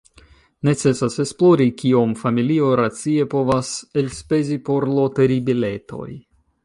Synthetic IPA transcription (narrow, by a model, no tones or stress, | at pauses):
ne̞t͡se̞sase̞splo̞ɾikiomfamilio̞ɾat͡sie̞po̞vaselspe̞zipo̞ɾloteɾibile̞to̞̰j